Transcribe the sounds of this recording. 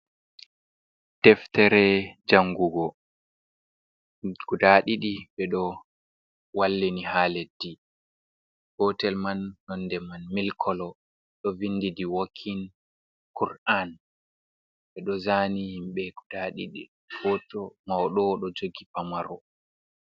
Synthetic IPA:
d̥ɛftɛɾɛd͡ʒaŋɡuɡɔ | ɡ̥udaɗiɗiɓɛɗɔ | walːinihaːledːi | hɔtɛlmanːɔndɛmanmilkʰɔlɔ | ɗɔvindidiwokʰːin | kuɾan | ɓɛɗɔzaːnihimɓɛɡ̥udaɗḭɗḭ | fɔtɔmawɗɔɗɔd͡ʒoɡipamaɾɔ

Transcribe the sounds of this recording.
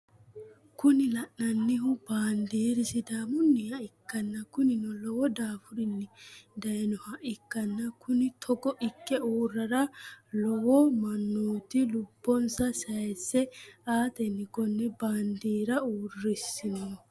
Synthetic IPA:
kʊnɪlɐʔnɐnːɪhʊbaːnd̪iːɾɪsɪd̪aːmʊnːɪhɐɪkːɐnːɐkʊnɪnɔlɔwɔd̪aːfʊɾɪnːɪd̪ɐjnɔhɐʔɪkːɐnːɐkʊnɪt̪ʰɔɡɔʔɪkːɛuːrːɐɾɐlɔwɔmɐnːuːt̪ɪlʊbːɔnsɐsɐjɛsːɛaːt̪ɛnːɪkɔnːɛbaːnd̪iːɾɐuːrːɪsɪnɔ

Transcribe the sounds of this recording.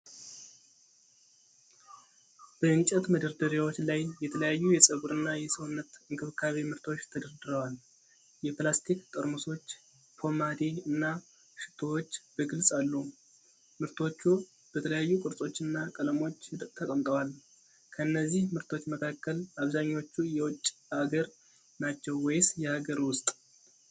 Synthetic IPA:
b̥əɨnt͡ʃʼɛt̪məd̪əɾd̪əɾiwo̞t͡ʃːlajːɛt̪ʰələjajːujɛsʼəɡuɾɨnːajɛsəwʊnːət̪ɨŋkɨβɨkʰːaβemɨɾt̪ʰo̞t͡ʃːt̪ʰəd̪əɾd̪ɨɾəwal | jɛplast̪ʰikt̪ʼəɾmuso̞t͡ʃː | pʰo̞mad̪eɨnːa | ʃɨ̥t̪ʰo̞wot͡ʃːb̥əɡɨlsʼalːu | mɨɾt̪ʰo̞t͡ʃːu | b̥ət̪ʰələjajːukʼɨɾsʼo̞t͡ʃːɨnːakʼələmo̞t͡ʃːɨt̪ʼt̪ʰəkʼəmt̪ʼəwal | kʰəɨnːəzːihmɨɾt̪ʰo̞t͡ʃːməkʰakːəlaβzaɲːo̞t͡ʃːujɛwʊt͡ʃʼːaɡəɾ | nat͡ʃːɛwwɔjsjɛhaɡəɾwʊst̪ʼ

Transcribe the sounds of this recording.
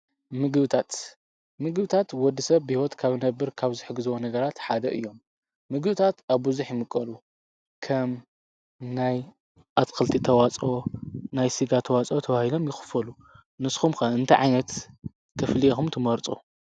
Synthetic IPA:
mɨɡɨβɨt̪ʰat̪ | mɨɡɨbɨt̪ʰat̪wɔd̪ːisɐβːɨhiwɔt̪kʰaβnɐbːɨɾkʰaβzɨħɨɡɨzɨwonɐɡɐɾat̪ħad̪ɐʔɨ̰jːo̞mː | ɨɡɨβɨt̪ʰat̪aβbɨzuħjɪmɨkʼːɐlu | kʰɐm | naj | ʔat̪kʰɨlt̪ʰit̪ʰɐwat͡sʼonajsiɡat̪ʰɐwat͡sʼot̪ʰɐβahilo̞mjɪxɨ̥fɐlu | nɨsxumxɐɨnt̪ʰɐjʕa̰jnɐt̪ | kʰɐfliexumt̪ʰɨmɐɾt͡sʼu

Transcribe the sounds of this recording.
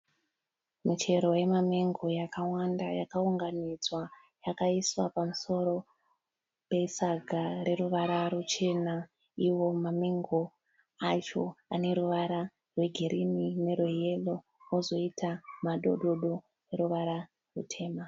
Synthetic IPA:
mit͡ʃe̞ɾo̞je̞mameŋɡo̞jakawandajakauŋɡanid͡zwa | jakaiswapamuso̞ɾo̞ | pe̞saɡʱare̞ɾuʋaɾarut͡ʃe̞na | iwo̞mameŋɡo | at͡ʃo̞a̰ne̞ɾuʋaɾa | rwe̞ɡʱeɾinine̞roje̞lo | ozo̞itʰamaɗo̞ɗo̞ɗo̞ | eɾuʋaɾa | rṵtʰe̞ːma

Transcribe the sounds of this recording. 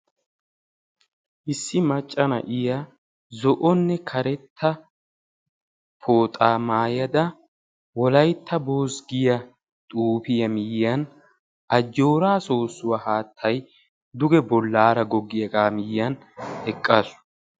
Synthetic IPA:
ʔɪsːɪmɐt͡ʃʼːɐnɐ̰ʔɪjɐ | zɔʔɔnːɛkʰɐɾɛt̪ʰːɐ | pʰo̞ːt̪ʼaːmaːjɐd̪ɐ | wɔlɐjt̪ʰːɐboːsɡɪjɐ | t̪ʼuːpɪjɐmɪjːɐn | ɐd͡ʒːo̞ːɾaːsoːsːʊwɐhaːt̪ʰːɐj | d̪ʊɡɛbɔlːaːɾɐɡɔɡːɪjɐɡaːmɪjːɐn | ɛkʼːɐsʊ̥

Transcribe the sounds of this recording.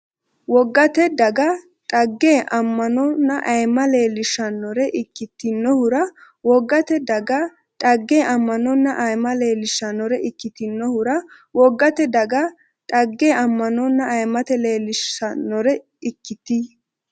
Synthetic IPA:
wɔɡːɐt̪ɛd̪ɐɡɐ | tʼɐɡːeːʔɐmːɐnɔnːɐʔɐjmɐleːlɪʃɐnːɔɾɛʔɪkːɪt̪ːɪnːɔhʊɾɐ | wɔɡːɐt̪ɛd̪ɐɡɐ | t̪ʼɐɡːeːʔɐmːɐnɔnːɐʔɐjmɐle̞ːlɪʃɐnɔɾɛɪkːɪt̪ɪnːɔhʊɾɐ | wɔɡːɐt̪ɛd̪ɐɡɐ | tʼɐɡːeːʔɐmːɐnɔnːɐʔɐjmɐt̪ɛle̞ːlɪʃɐnːɔɾɛ | ɪkːɪt̪i

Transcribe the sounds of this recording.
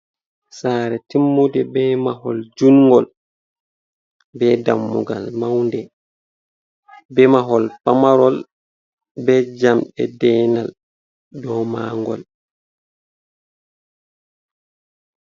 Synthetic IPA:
saːɾɛtimːudɛbɛːmaɦɔld͡ʒunŋɡɔl | bɛda̰mːuɡa̰lmawndɛ | bɛmaɦɔlpamaɾɔl | bɛd͡ʒamɗɛdɛːnal | dɔma̰ŋɡɔ̰l

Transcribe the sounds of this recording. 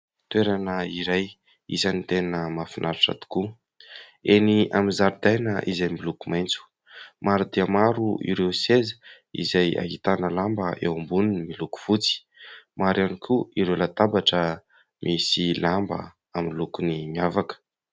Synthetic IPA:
t̪ueɾanəiɾaj | ḭzanit̪enəmafinʔaɾuʈ͡ʂa̰t̪u̥ku | eniamizaɾud̪ajnəʔizajmilukumajnt͡su̥ | maɾud̪iəmaɾuḭɾewsezə̥ | ḭzaja̰ɦit̪anəlambəʔewambuninmiluku̥v̥ut͡si̥ | maɾanikʰuiɾewlat̪abaʈ͡ʂə | mʔisilambə̰ | aminlukuniɲavakə̥

